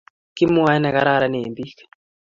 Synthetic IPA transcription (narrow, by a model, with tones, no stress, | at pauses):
ki˦mu˦a˦na˨ka˦ɾa˦ɾa˦ne˨mbi˦k